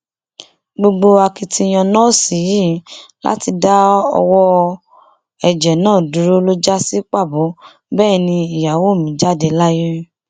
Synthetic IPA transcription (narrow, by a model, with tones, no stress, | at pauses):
ɡ͡bo˧ɡ͡bo˧a˧ki˧ti˧j̃ɔ̃˧nɔ̃˦˨si˨˦ji˦˨˦la̰˦ti˧da˦ɔ̰˧wɔ˦ | ɛ˨d͡ʒɛ˨nãː˦˨du˨ɾo˦lo˦d͡ʒa˦si˦k͡pa˦˨bo˨˦ | bɛː˦˨nĩ˧i˨ja˨wo˦˨mĩ˨˦d͡ʒa˦˨de˧la˦ji˦